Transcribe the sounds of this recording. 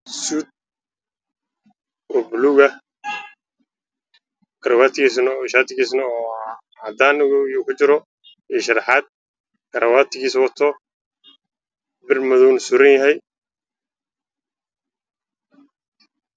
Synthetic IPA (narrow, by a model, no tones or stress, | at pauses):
suːd̪̚ | ɔbluɣɐ | ɡ̥ɐɾɐwaːt̪ʰɪɡisnʃaːt̪ʰɪɡiːsnɐɔː | ʕɑd̪aːnʊɣjukʰʊt͡ʃɪɾɔ | ɛʃɐɾħɑd̪̚ | kɐɾʔɐwaːt̪ʰɪɡiːswɐt̪ʰɔ | bɪrmɐðɔwnsuɾɐnjɐɦɛj